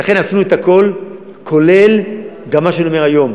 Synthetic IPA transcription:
laχe̞nasnuet̪ako̞l | kʰo̞le̞lɡamːaʃenomeajo̞m

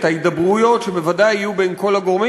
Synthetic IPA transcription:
t̪haid̪abʁujo̞tʃebevadajijubejnko̞laɡoʁmi

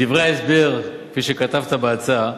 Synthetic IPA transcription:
divʁeaesbeʁkfiʃekat̪avt̪abeat͡sa

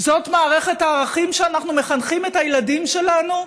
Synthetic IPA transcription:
zo̞tmaːʁe̞χetaːʁaχimʃeanaχnumeχanχimethajladimʃe̞lanu

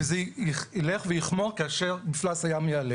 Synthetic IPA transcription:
zeiileχvejiχmo̞ʁkaaʃeʁbiflasajamjaale

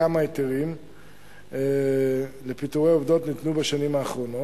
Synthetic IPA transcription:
amaeteʁim | le̞pitoʁeovdo̞tnitnubaʃanimaːχʁo̞no

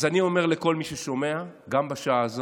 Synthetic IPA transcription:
zanio̞me̞ʁle̞ko̞lmiʃeʃo̞me̞aɡambaʃaaz

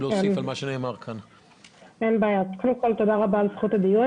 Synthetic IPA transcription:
loːesifalmaʃeneːmaʁkʰan | enbaːjatkodemko̞lt̪o̞d̪aʁabaːlsχut̪ad̪iju

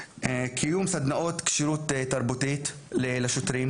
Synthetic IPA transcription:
ekʰijumsad̪naʔot̪kʃiɾut̪et̪ːaɾbut̪it̪ | lelaʃot̪ɾim

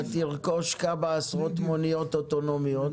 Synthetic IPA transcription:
t̪iʁkoʃkabaasʁot̪monijot̪ot̪onomjot

